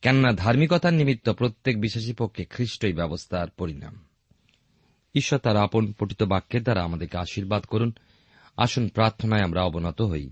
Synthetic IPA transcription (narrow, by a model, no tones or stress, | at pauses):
kɛnonad̪ʱaɾmikɔt̪animit̪ːopɾot̪ːek̚biʃaʃ̬ipokʰːekʰɾiʃʈojbɛbost̪ʰaɾpoɾina̰m | iʃːɔt̪aɾaponpɾoʈit̪obakʰːeɾd̪aɾaamad̪eɾkeaʃiɾbad̪koɾun | a̰ʃonpɾaɾt̪ʰonaeamɾaɔbonɔt̪oɦoj